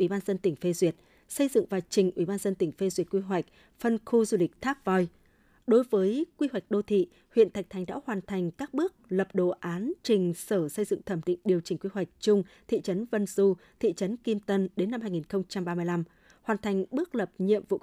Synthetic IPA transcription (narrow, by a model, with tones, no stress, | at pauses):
ʔwi˧˩ɓaː˧nzə˧nt̪ï˧˩ŋ̟fe˧zwi˨˩ət̚ | sə˧jzɨ̰˧˨ŋvaː˨˩wt͡ɕï˨˩ŋ̟ʔwi˧˩ɓaː˧nzə˧nt̪ï˧˩ŋ̟fe˧zwi˨˩ət̚kwi˧ɦwa˨˩jk̟̚ | fə˧nxu˧zu˧lï˨˩k̚t̪ʰaː˦˥p̚vɔ˧j | ɗo˨˦jvəː˨˦jkwi˧ɦwa˨˩jk̟̚ɗo˧t̪ʰḭ˧˨ | hwḭ˧˨ənt̪ʰa˨˩k̟̚t̪ʰjŋɗa̰ː˧˥whwaː˨˩nt̪ʰa˨˩jŋ̟kaː˦˥k̚ɓɨ˦˥ək̚lə˨˩p̚ɗo˨˩ʔaː˨˦nt͡ɕï˨˩ŋ̟səː˧˩sə˧jzɨ̰˧˨ŋt̪ʰə˧˩mɗḭ˧˨ŋ̟ɗi˨˩əwt͡ɕï˨˩ŋ̟kwi˧ɦwa˨˩jk̟̚t͡ɕʊ˧ŋ͡mt̪ʰḭ˧˨t͡ɕə˨˦nvə˧nzu˧t̪ʰḭ˧˨t͡ɕə˨˦nki˧mt̪ə˧nɗe˨˦nːa˧mɦaː˧jŋi˨˩nxə˧wŋ͡mt͡ɕa˧mɓaː˧mɨ˧jla˧m | hwaː˨˩nt̪ʰa˨˩jŋ̟ɓɨ˦˥ək̚lə˨˩p̚ɲḭ˧˨əmvṵ˧˨